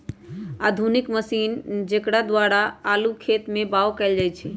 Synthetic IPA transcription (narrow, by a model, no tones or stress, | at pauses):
ad̪ʱunikməsind͡ʒekɽad̪waɾaalukʰet̪mebaokɛld͡ʒajt͡ʃʰɛ